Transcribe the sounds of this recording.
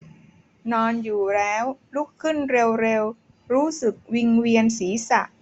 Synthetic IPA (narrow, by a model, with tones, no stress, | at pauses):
nɔː˧njuː˨˩lɛː˦˥wlu˦˥˩kʰːɯ˥˩nɾe˧wɾe˧w | ɾuː˦˥sɯ˨˩k̚wi˧ŋwi˧ənsiː˩˦sa̰˨˩ʔ